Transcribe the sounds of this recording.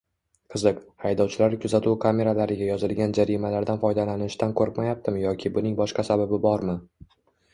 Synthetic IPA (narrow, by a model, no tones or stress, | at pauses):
qʰɨzɨqhajd̪ɒwt͡ʃʰɪlaɾkʲʰʊzat̪ʰuwkʰamʲe̞ɾalaɾɪɡʲajɒzɪlɡʲand͡ʒaɾimalaɾd̪anfɒjd̪alanɪʃt̪ankʰɵɾɪpmajap̚t̪ʰɪmjɒkʲʰɪbʊnɪŋbɒʃqɑsababɪbɒɾmɪ